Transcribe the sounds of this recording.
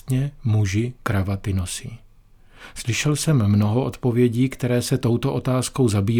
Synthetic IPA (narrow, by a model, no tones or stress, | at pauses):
t̪ɲɛmuʒɪkɾavat̪ɪnosɪ | slɪʃɛlsɛmːno̞ɦo̞ʔo̞t̪po̞vjɛɟiːkt̪ɛɾɛːsɛt̪o̞wt̪o̞ʔo̞t̪aːsko̞wzabiː